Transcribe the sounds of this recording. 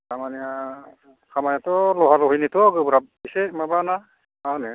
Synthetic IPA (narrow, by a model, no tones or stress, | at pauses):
kamania | kʰamanatɔlɔɦalɔɦijnitɔɡɯbuɾabisɛmabana | awnɛ